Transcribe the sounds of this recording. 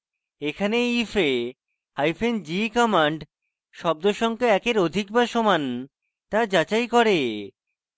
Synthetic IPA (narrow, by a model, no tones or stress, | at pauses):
ekʰaneife | hajfend͡ʑikɔmaɳɖ | ʃɔb̚d̪oʃɔŋkeɛkeɾod̪ʱikbaɾʃoman | t̪aɾd͡ʑat͡ɕajkɔɾe